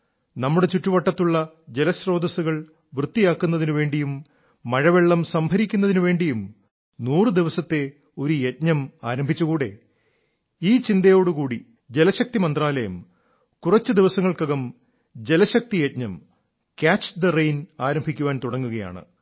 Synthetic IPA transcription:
nɐmːuɽe̞t͡ɕuʈːuʋɐʈːɐt̪ːuɭːɐ | d͡ʑe̞lɐɕro̞ːd̪ɐsuɣɐɭ | ʋrɨt̪ːijaːkːunːɐðinuʋe̞ːɳɖijumː | ɐɻɐʋeɭːɐmsɐmbʱɐɾikʲːunːɐðinuʋe̞ːɳɖijum | nuːrɨd̪iʋɐsɐt̪ːe̞ | o̞ɾujet̚ɲɐma̰ːɾɐmbʱit͡ɕːukuːɽe̞̰ | iːt͡ɕind̪ɐjo̞ːɽukuːɽi | d͡ʑe̞lɐɕɐk̚t̪imɐnd̪raːlɐjɐm | kurɐt͡ɕːɨd̪iʋɐsɐŋːɐɭkɐɣɐm | d͡ʑe̞lɐɕɐk̚t̪ijet̪̚ɲɐm | kʲaːt͡ɕd̪ɐrejnaːɾɐmbʱikʲːuʋaːnt̪uɽɐŋːuɣɐja̰ːɳɨ̰

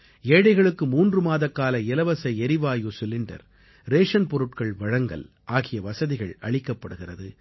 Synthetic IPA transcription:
eːɽɐɪɣɐɭɯkːɯmuːndrɯmaːðɐkːaːlɐɪlɐʋɐsɐɪɛɾɪʋaːjusʊlɪɳɖɐ̰ɾ | ɾeːʂɐnpɔɾɯʈ̚kɐɭʋɐɻɐŋɡɐ̰l | ʔaːɣɪjɐʋɐsɐðɪɣɐɭɐɭɪkːɐpːɐɽɯɣɪrɐðɯ

